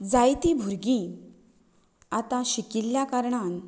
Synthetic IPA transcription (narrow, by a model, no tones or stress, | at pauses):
d͡zajt̪ibʱuɾɡĩ | at̪ãɕikiljakaɾɳan